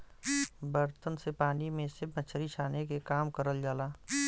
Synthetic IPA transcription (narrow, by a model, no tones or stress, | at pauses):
bəɾt̪ənsepaːnimẽsɪb̚ʰbət͡ʃʰɾit͡ʃʰaːnekekaːmkəɾəld͡ʒaːlaː